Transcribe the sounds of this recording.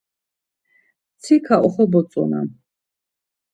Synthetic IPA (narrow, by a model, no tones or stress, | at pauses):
t̪t͡s̪ʰikʰaʔɔχɔbɔt͡s̪ʼɔ̰na̰